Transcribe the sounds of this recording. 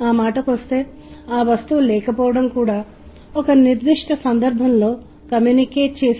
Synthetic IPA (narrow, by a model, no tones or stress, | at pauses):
aːmaːʈɐkʋɐst̪e̞ː | aːʋɐst̪ulɛːkɐpɔːʋɐɽɐmkuːɽaː | ɔkɐniɾd̪ʋiʂʈɐsɐnd̪ɐɾbʱɐmlo̞ː | kɐmjunikeːt͡ʃe̞ː